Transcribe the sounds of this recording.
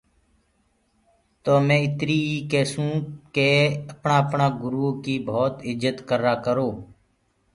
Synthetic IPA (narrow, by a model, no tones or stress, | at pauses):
t̪oːmɛ̃ːɪt̪ɾiːiːkeːsũːkeːəpɳaːəpɳaːɡʊɾuːkiːbʱoːt̪ɪd͡ʒət̪kəɾaːkəɾoː